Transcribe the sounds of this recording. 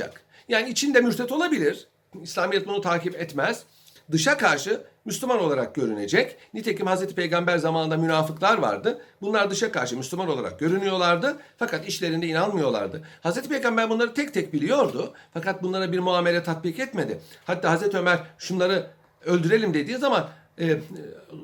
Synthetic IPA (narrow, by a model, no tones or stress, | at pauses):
a̰k | jaːniːt͡ʃʰind̪ɛmyɾt̪ʰɛt̪ʰolˠabilʲiɾ̥ | islʲaːmijɛt̪̚bunut̪ʰaːkipɛt̪mɛz̥ | d̪ɯʃakaɾʃɯmyslʲymano̞lˠaɾak̚ɟ̥ø̞ɾyne̞d͡ʒɛcnit̪ʰecimhazɾet̪ʰipejɡambæɾzamaːnɯnd̪amynaːfɯklˠaɾva̰ɾd̪ɯbunlˠaɾd̪ɯʃakaɾʃɯmyslʲymano̞lˠaɾa̰k̚ɟ̥ø̞ɾynyjo̞lˠaɾd̪ɯfakat̪iʃlʲeɾind̪ɛinanmɯjo̞lˠa̰ɾd̪ɯhazɾet̪ʰipejɡambæɾbunˠaɾɯt̪ʰɛc̚t̪ʰɛc̚bilʲijo̞ɾd̪ʊfakat̪̚bunlˠaɾabiɾmuaːme̞lʲɛt̪ʰat̪̚bikɛt̪me̞d̪ɪhat̪ːaːɦazɾet̪ʰiømæɾ̥ʃunlˠaɾɯ | ølʲd̪yɾe̞lʲimd̪e̞d̪iːzamanː